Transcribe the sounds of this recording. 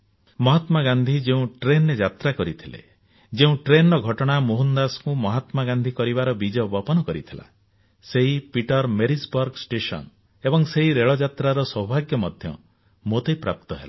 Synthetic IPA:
mɔɦat̪maɡand̪ʱid͡ʒeũʈɾenːed͡ʒat̪ɾakɔɾit̪ʰilḛ | d͡ʒeũʈɾenɔɾɔɡʱɔʈɔɽ̃amoɦund̪askũmɔɦat̪maɡand̪ʱikɔɾibaɾɔbid͡ʒɔbɔpɔnɔkɔɾit̪ʰila̰ | seɦipiʈɔɾmeɾisbɔɾɡsʈesɔ̰n | ebɔŋseɦiɾeɭɔd͡ʒat̪ɾaɾɔsɔbʱaɡjɔmɔd̪ʱjɔ̰ | mot̪ejpɾapt̪ɔɦela

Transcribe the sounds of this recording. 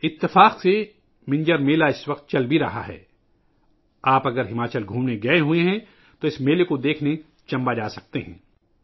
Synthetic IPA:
ɪt̪ːɪfaːqse | mɪ̃ɲd͡ʒəɾmeːlaɪsʋɐqt̪̚t͡ʃɐlbʱiɾɐɦa̰ɦɛ̰ː | aːpɐɡəɾɦɪmaːt͡ʃəlɡʱũːmneɡɐeɦueɦɛ̃ | t̪oɪsmeːlekod̪eːkʰne | t͡ʃɐ̃mbad͡ʒaːsɐk̚t̪eɦɛ̰̃ː

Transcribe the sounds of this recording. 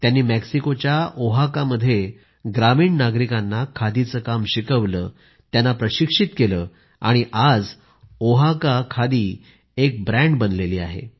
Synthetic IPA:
t̪janːiːmeksikot͡ɕjaoɦakaməd̪ʱːje | ɡɾamiːɳnaɡɾikanːakʰad̪it͡səːkamɕikəʋləː | t̪janːapɾəɕikʂit̪keləː | aɽ̃iʔad͡z | oɦakakʰad̪iː | ek̚bɾɛ̃ɳɖbənleliːa̰ɦḛ

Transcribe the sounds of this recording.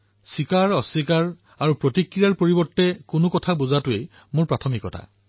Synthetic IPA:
sikaɹɔsikaɹ | aɹupɹotikɹijaɹpoɹibɔɹtːɛkʊnʊkɔtʰabuzatʊej | mʊɹpɹatʰɔmikɔtʰa̰

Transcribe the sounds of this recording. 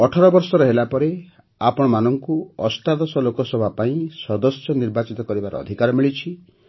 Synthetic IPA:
ɔʈʰɔɾɔbɔɾsɔɾɔɦelapɔɾe | apɔɽ̃ɔmanɔŋkuɔsʈad̪ɔsɔlokɔsɔbʱapaĩsɔd̪ɔsjɔniɾbat͡ʃit̪ɔkɔɾibaɾɔ̰ɔ̰d̪ʱikaɾɔmiɭit͡ʃʰi

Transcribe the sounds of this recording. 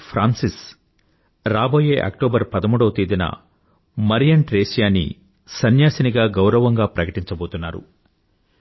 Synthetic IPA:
pʰɾaːnsis | ɾaːboːjeːʔɐ̰k̚ʈoːbɐɾpɐd̪ɐmuːɽɐːt̪id̪inɐ̰ | mɐɾijɐɳʈɾeːsjaːnḭ | sɐnjaːsɐniɡaːɡɐwɾɐʋɐŋɡaːpɾɐkɐʈiɲt͡ʃɐbo̞ːt̪unːaːɾṵ

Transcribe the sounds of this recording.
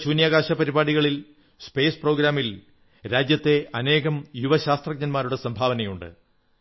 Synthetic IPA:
ɕuːnjaːɣaːɕɐpɐɾibaːɽiɣɐɭil | spe̞ːspro̞ːɡɾaːmil | ɾaːd͡ʑjɐt̪ːe̞ʔɐne̞ːɣɐmjuʋɐɕaːst̪rɐɡ̚ɲɐnmaːɾuɽesɐmbʱaːʋɐnɐjuɳɖɨ̰

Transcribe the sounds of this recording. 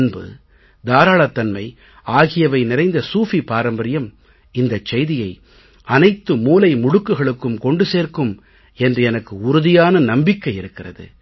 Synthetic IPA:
nbɯ̰ | d̪aːɾaːɭɐt̪ːɐnmɐɪ | aːɣɪjɐʋɐɪnɪɾɐɪnd̪ɐsuːfipaːɾɐmbɐɾɪjɐm | ɪnd̪ɐt͡ʃːɛjðɪjɐɪ | ʔɐnɐɪt̪ːɯmuːlɐɪmʊɽʊkːɯɣɐɭɯkːɯmkɔɳɖɯseːrkɯm | ɛndrɯɛnɐkːɯʊɾʊðɪjaːnɐnɐmbɪkːɐɪɪɾɯkːɪrɐ̰ðɯ̰

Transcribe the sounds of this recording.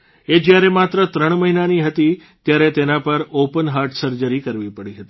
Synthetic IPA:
ed͡ʒjaɾemat̪ɾət̪ɾəɳ̃məɦinaniɦət̪i | t̪jaɾet̪enapəɾopənɦaɾʈsəɾd͡ʒəɾikəɾʋipəɽiɦət̪i̥

